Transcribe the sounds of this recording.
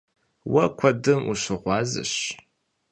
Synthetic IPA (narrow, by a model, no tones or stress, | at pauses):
wɐkʷʰɐdɨmuɕʷɨʁʷɑːzɨ̰ɕ